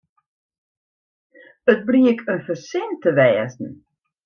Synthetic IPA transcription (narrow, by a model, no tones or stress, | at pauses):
ət̚briəkʰənfərsɪntəʋɛːzn̩